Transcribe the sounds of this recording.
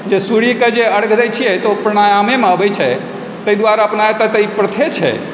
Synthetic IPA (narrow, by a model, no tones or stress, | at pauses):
d͡ʒesuɽiked͡ʒeəɽɡʱɾajt͡ʃʰijɛt̪opɾəɽ̃ajamemeəbɛjt͡ʃʰɛ | t̪əid̪waɾaəpnajet̪aɦt̪əipɾət̪ʰet͡ʃʰɛ̰